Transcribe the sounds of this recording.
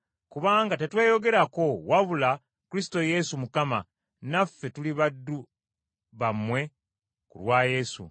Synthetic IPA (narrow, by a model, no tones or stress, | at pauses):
kuβaːŋɡate̞twe̞ːjo̞ɡe̞ɾako̞waβula | kuɾisi̥to̞je̞sumukama̰ | nafːe̞tuliβadːu | βamːwe̞ | kṵlwaːje̞sṵ